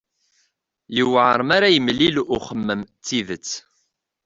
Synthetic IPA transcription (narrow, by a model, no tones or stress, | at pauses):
jiwʕəɾˤmaɾajəmlːilʊχəmːəmt͡sːiðət͡sː